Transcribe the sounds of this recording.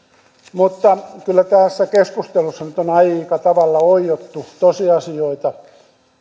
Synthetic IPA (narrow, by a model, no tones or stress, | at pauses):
mut̪ːɑkylːæt̪æːˑsːækeskust̪elusːɑnyt̪onɑikɑt̪ɑʋɑlːɑoijot̪ːut̪osiɑsioit̪ɑ